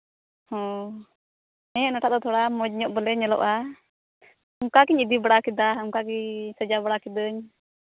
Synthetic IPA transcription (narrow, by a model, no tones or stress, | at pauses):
hɔ̃ | ɛɛnɔʈʰaʔd̪ɔt̪ʰɔɽamɔd͡ʒɲɔʔbəlɛɲɛlɔ̰ʔa | ɔŋkakiɲid̪ibaɽakid̪aɔŋkakiɲsəd͡ʒabaɽakid̪əɲ